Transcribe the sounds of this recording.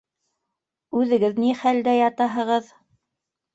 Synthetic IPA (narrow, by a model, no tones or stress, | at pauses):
ʉðɘ̆ɡɘðniχæld̪æjɑt̪ɑɦɤ̆ʁɤð